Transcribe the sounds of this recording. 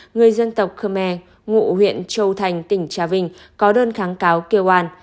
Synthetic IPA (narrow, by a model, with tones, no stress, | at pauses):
ŋɨ˨˩əjzə˧nt̪ə˨˩wk͡p̚xəː˧mɛ˧ | ŋṵ˧˨hwḭ˧˨ənt͡ɕə˧wt̪ʰa˨˩jŋ̟t̪ï˧˩ŋ̟t͡ɕaː˨˦vï˧˩ŋ̟ | kɔ˨˦ɗəː˧nxaː˨˦ŋkaː˨˦wkə˧wʔaː˧n